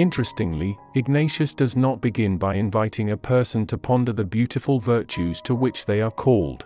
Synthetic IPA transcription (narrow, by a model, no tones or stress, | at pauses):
ɪ̃nt͡ʃɹ̥ɨstɪ̃ŋliɨɡ̚neɪʃɨsd̥ʌznət̚b̥ɨɡɪ̃nbaɪɨ̃ɱvaɪɾɪ̃ŋɨpʰɜ˞sə̃ntʰəpʰɑ̃ndə˞ðɨbjʉɾɨfəlˠvɜ˞t͡ʃʉz̥tʰəwɪt͡ʃðeɪə˞kʰɔlˠd̥